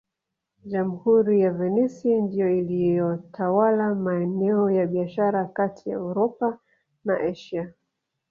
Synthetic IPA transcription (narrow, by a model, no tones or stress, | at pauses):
ʄam̩huɾijavɛnɛsindijɔilijɔtʰawalamaɛnɛɔjaɓiaʃaɾakatʰija̰ɛuɾɔpa | naʔɛʃa